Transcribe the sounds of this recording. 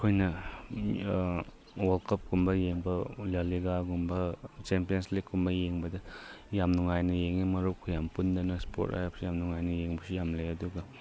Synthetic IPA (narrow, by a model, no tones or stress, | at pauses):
kʰojnɐ | wɐlkʰɐp̚ɡumbɐjeŋbɐlaliɡaɡumbɐt͡ʃempijɐnsliɡkumbɐjeŋbɐdɐjamnuŋajnɐjeŋimɐɾukʰːujampundɐnɐspʰo̰ta̰japsijamnuŋajnɐjeŋbɐsijamlejɐduɡɐ